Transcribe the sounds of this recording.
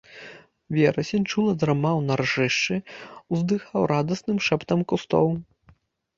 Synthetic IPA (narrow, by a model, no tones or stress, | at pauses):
vʲɛɾɐsʲɛnʲt͡ʂulˠɐd̪ɾamawnarʐɨʂt͡ʂɨwzd̪ɨxawɾad̪ɐsnɨmʂɛpt̪ɐmkust̪ɔ̰w